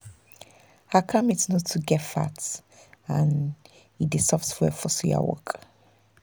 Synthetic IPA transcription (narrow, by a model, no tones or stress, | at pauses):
hakʰãmitsnɔtʰːuɡɛtfa̰t | ãn | hidesɔftwɛfɔsia̰wɔ̰k